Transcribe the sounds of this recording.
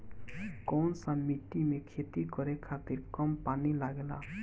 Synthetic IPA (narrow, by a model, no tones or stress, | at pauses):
kɔnsãmiʈːimekʰet̪ikʌɾekʰat̪iɾkʌmpanilaɡela̰